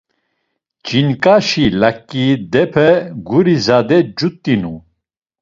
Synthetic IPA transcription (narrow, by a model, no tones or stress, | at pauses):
d͡ʒinkʼaʃilakʼːid̪ɛpʰɛɡuɾizad̪ɛd͡ʒut̪ʼːinu